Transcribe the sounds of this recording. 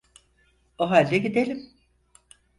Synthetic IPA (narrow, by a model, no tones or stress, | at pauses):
oɦalʲːɛɟid̪elʲim